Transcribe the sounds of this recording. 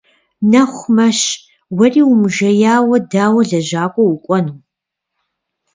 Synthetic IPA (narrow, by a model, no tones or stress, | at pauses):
nɐχʷmɐʃ | wɐriːwʊmʒɐjaːwɐdaːwɐɮɐʑaːkʷʼɔwʊkʷʼɔnuː